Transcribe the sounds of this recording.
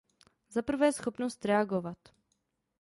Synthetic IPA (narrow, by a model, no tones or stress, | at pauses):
zapəɾvoɛsxɔpnost̪ɾɛaɡovat̪